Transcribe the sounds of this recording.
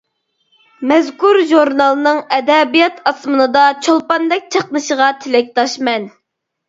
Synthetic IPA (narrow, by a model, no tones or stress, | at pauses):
mɛzkuɾʒuɾnɑlˠnɨŋɛd̪ɛbijɑt̪ʰɑsmɨnɨd̪ɑt͡ʃʰolˠpɑnd̪ɛk̚ʲt͡ʃʰəqnɨʃəʁɑt̪ʰɪlɛk̚ʲt̪ʰɑʃmɛn